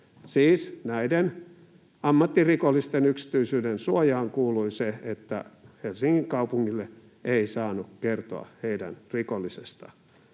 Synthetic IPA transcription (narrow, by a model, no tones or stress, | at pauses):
siːsnæiden | ɑmːɑt̪ːirikolːist̪enyksi̥t̪yisyːdensuojɑːŋkuːluiseet̪ːæ̰helsiŋːiŋkɑupuŋːilːe | ʔeisɑːnukkert̪o̰ɑ̰heidæ̰nrikolːisest̪ɑ̰